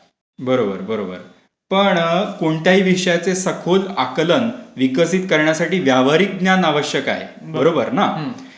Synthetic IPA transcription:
bəɾobəɾbəɾobə̰ɾ | pəɳkoɳʈ̪jaɦiːʋiʂəjat͡sesəkʰolakələnʋikəsit̪kəɾɳjasaʈiːʋjaʋaɾik̚ɡnjanaʋəɕjəka̰ɦḛ | bəɾobəɾna

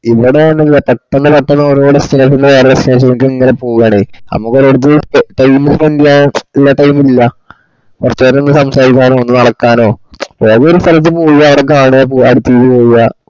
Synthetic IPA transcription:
iʋiɽeɐɳːillːɐpɐʈːɐnːɨpɐʈːɐnːɐɐɾoːɽesteʂunɖɐʋeːrɐɽesʈe̞ːʂ̬ɐnuk̬ːɨeŋːɐne̞poːɣɐaɳenɐ̰mːukːoɾoɽut̪̬ːɨʈɐjmilʋendijailːɐʈɐjmililːɐ | kurɐt͡ɕːoenːɨsɐmsaːɾikʲːaːno̞ːonːɨnɐɽɐkːaːno̞ːpoɐðeoɾust̪ʰɐlɐt̪̬ːɨpoːjijɐːʋiɽek̬aːɳuɐp̬oːɐɽut̪ːijðɨpo̞ːjuja

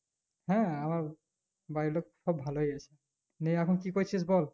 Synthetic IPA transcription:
hɛ̃amaɹ | bajlɔk̚sɔbʱalojajsʰɛ | neakʰunkikojt͡ʃʰis̬bɔl

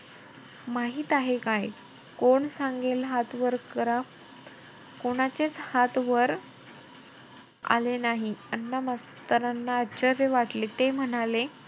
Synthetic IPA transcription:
maɦiːt̪aɦekaj | koɳsãŋɡelɦat̪ʋəɾkəɾa | koɽ̃at͡ɕet͡shat̪ʋəɾ | a̰lenaɦiənːamast̪əɾanːaət͡ɕəɾjəʋaʈlet̪em̤ənale

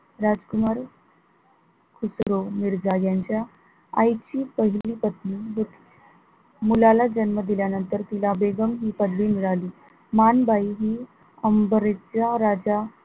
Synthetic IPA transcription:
ɾad͡zkumaɾ | kʰusɾomiɾd͡zajaɲt͡ɕja | a̰jt͡ɕiːpəɦilliːpət̪nibut̪ | mulalad͡ʑənməd̪iljanənt̪əɾt̪ilabeɡəmɦiːpəd̪liːmiɭaliː | manbʱaiɦiː | əmbəɾet͡ɕjaɾad͡ʑa

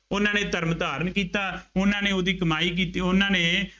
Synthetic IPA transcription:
ʊnãːneːt̪əɾmd̪aːɾənkiːt̪aːʊnãːneːoːd̪iːkəmaːiːk̬iːt̪iːʊnãːneː

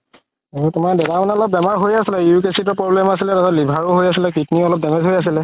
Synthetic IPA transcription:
eɹutʊmaɹdɛdamɔnɛɔlɔpb̚bɛmaɹɦojasilɛjukesit̬ɔpɹɔblɛmas̬ilɛtatɔtlibʱaɹoɦojasilɛkitniɔlɔp̚dɛmɛzɦojas̬ilɛ

